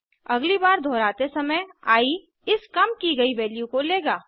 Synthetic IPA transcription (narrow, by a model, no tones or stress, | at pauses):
ɐɡlibaːɾd̪ʱɔːɾaːt̪esɐməjaːi | ɪskɐmkiɡɐiʋɛːlijũkoleːɡaː